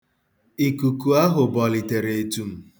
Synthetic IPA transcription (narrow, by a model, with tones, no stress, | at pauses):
i˨ku˨ku˨a˦ɦʊ˨bɔ˨li˨te˨ɾe˨e˨tu˦m̩˦